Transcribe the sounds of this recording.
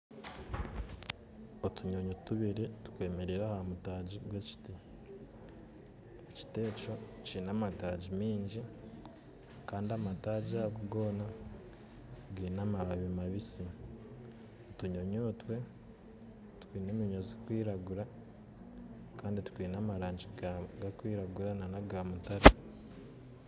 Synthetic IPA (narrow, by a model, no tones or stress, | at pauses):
otuɲo̞ɲotuβiɾetu̥kwe̞ːme̞ɾeɾahamutaːɟiɡweci̥ti | eci̥te̞ːt͡ʃo̞cinamataːɟimiːɲɟi | kaːndiamataːɟiakuɡoːna | ɡiːnamaβaβimaβisi | tuɲo̞ɲo̞ːtwe̞ | tu̥kwiːneːmiɲozikwiːɾaɡuɾa | kaːnditu̥kwiːnamaɾaːɲɟiɡakwiːɾaɡuɾananaɡaːmutaɾe